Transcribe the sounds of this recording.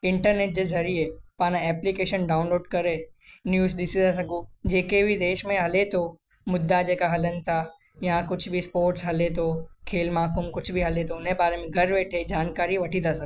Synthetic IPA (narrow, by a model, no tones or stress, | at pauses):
ɪ̃ɳʈəɾneːʈ̚d͡ʑezɐɾiepãːnãɛːplikeːʃənɖaːʊnloːɖkɐɾenjuːzɗɪsit̪as̬ɐɡud͡ʑeːkebʱid̪eːʃmẽɦɐlet̪ʰo | mʊd̪ːad͡ʑeːkaɦɐlənɪ̆t̪ʰa | jãkʊt͡ʃʰbʱispoːɾʈsɦɐlet̪ʰokʰeːlmaːkʊmkʊt͡ʃʰbʱiɦɐlet̪ʰoʊnebaːɾemẽɡʱɐɾʋeːʈʰed͡ʒaːnkaːɾiʋɐʈʰit̪ʰasɐɡ